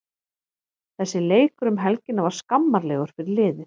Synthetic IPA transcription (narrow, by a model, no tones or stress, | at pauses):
θɛsːɪleːjkɾʏmɦɛlcɪnavaɾ̥skamːaɾlɛːɣʏɾ̥fɪɾɪɾlɪːðɪ